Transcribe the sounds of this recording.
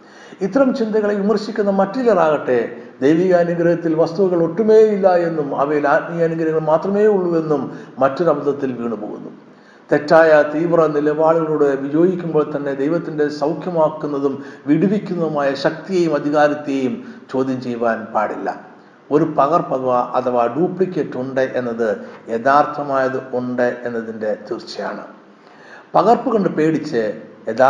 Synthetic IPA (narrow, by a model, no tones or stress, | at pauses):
it̪ːɐɾɐmt͡ɕind̪ɐɣɐɭeʋimɐrɕikʲːunːɐmɐtːilɐraːɣɐʈːe̞d̪ejʋijɐːnuɡɾɐɣɐt̪ːilʋɐst̪uʋuɣɐɭo̞ʈːume̞ːilːɐe̞nːumɐʋɐjilaːt̚mijɐnuɡɐɾɐŋːɐɭmaːt̪rɐme̞ːuɭːue̞nːumːɐtːuɾɐbɐd̪ɐt̪ːilʋiːɳupoːɣṵnːṵ | t̪e̞tːaːjɐt̪iːʋrɐnilɐbaːɭuɣɐɭuɽɨʋijo̞ːɡikʲːumbo̞ːɭt̪ɐnːe̞d̪ejʋɐt̪ːinde̞sɐwkʰjɐmaːkːunːɐðumʋiɽuʋikʲːunːɐðumaːjɐɕɐk̚t̪ijeːjumɐd̪ʱiɣaːɾɐt̪ːe̞jumt͡ɕo̞ːd̪ʱjɐɲt͡ɕejʋaːnpaːɽḭlːɐ̰ | o̞ɾupɐɣɐrpɐt̪ʰɐʋaːʔɐt̪ʰɐʋaːɖuːpɭikʲːe̞ːtːuɳɖɨʔe̞nːɐðɨe̞ðaːrt̪ʰɐmaːjɐðɨuɳɖɨʔe̞nːɐðinde̞t̪irt͡ɕːɐja̰ːɳɨ̰ | pɐɣɐrpuɣo̞ɳɖɨpe̞ːɽit͡ɕːɨe̞ðaː